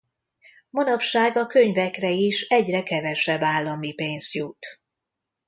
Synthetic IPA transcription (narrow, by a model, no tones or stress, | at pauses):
monɒpʃaːɡɒkø̞ɲvɛkrɛiʃɛɟrɛkɛvɛʃɛbːaːlːɒmipeːnsjut̪